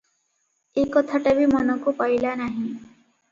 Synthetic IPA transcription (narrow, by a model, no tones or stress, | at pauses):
ekɔt̪ʰaʈabimɔnɔkupailanaɦĩ